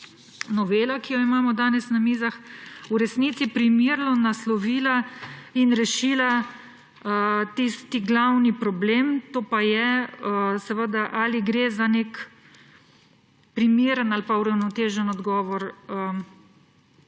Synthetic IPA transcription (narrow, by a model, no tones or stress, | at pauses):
nɔʋeːlakijɔimaːmɔd̪aːnɛsnamiːzaxuɾɛsniːt̪sipɾimiɾnɔnaslɔʋiːlainɾɛʃiːla | ət̪ist̪iɡlawnipɾɔbleːmt̪oːpajɛəsɛʋəd̪aʔaːliɡɾeːzanek | pɾimiːɾənalpauɾawnɔt̪eːʒənɔd̪ɡɔːʋɔɾə